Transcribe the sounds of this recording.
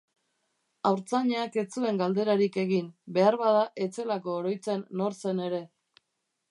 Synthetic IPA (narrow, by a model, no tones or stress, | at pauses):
awɾt͡saɲeake̞t͡sue̞ŋɡald̪e̞ɾaɾike̞ɣinbe̞aɾβaðaʔe̞t͡se̞lako̞ːɾo̞jt͡se̞nːo̞ɾse̞ne̞ɾe̞